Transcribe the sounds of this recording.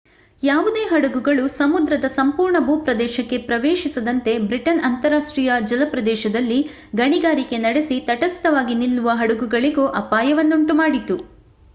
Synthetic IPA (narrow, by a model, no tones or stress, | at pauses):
jaːʋud̪eːɦɐɽɐɡuɡɐɭusɐmud̪ɾɐd̪ɐsɐmpuːɾɳɐbuːpɾɐd̪ɛːʃɐkːe̞pɾɐʋeːʃisɐd̪ɐnt̪e̞bɾiʈɐnɐnt̪ɐɾaːʂʈɾiːjɐd͡ʒɐlɐpɾɐd̪ɛːʃɐd̪ɐlːi | ɡɐɳiɡaːɾike̞nɐɽesit̪ɐʈɐst̪ɐʋaːɡinilːuʋɐɦɐɽɐɡuɡɐɭiɡoːʔɐpaːjɐʋɐnːuɳʈumaːɽit̪u